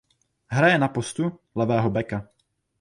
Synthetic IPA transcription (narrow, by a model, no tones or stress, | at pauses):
ɦɾajɛnapost̪ulɛvɛːɦobɛka